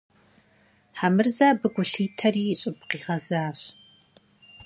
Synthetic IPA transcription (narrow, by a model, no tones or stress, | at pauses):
ħamɨrzaːbɨɡʷʊɬiːtʰɐriːɕʼɪp̚qiːʁɐzaːɕ